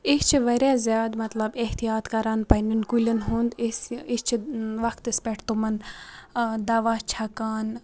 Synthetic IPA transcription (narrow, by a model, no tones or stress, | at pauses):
ikt͡ʃʰiʋɐɾʲaːzjaːd̪mɐt̪lɐbeht̪ijaːt̪kɐɾaːnpɐninkulʲɐnɦund̪ist͡ʃʰiʋɐkt̪ispʲeʈʰt̪umɐn | d̪aːʋaːt͡ʃʰakaːn